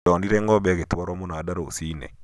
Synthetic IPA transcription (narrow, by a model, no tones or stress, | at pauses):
ɔniɾɛŋɡɔbɛketwaɾwɔmonaːdaɾoːsinɛ̰